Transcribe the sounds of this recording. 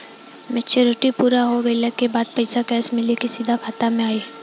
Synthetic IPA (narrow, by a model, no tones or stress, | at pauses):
mɪt͡ʃʰeɾoːʈipuːɾaɦoɡɐiləkːebaːd̪̚pɐɪsakɛːsmɪlekisiːd̪ʱakʰaːt̪amẽaːiː